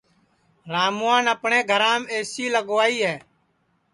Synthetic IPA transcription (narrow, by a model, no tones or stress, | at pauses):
ɾaːmʊãːnəpɳẽːɡʱəɾãːmeːsiːləɡʋaːiːɦɛː